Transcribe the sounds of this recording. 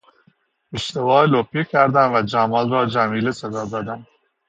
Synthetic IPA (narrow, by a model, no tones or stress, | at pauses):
eʃt̪evɒːloːpʰikʲʰæɾd̪æmvæd͡ʒæmɒːlɾɒːd͡ʒæmiːlesæd̪ɒːd̪ɒːd̪æn